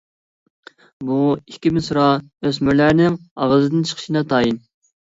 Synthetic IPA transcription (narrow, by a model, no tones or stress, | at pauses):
buikʲimɪsuɾɑøzmyɾlæɾnɪŋɑwɨzɨd̪ɨnt͡ʃʰə̥χʰə̥ʃinɑt̪ʰɑjin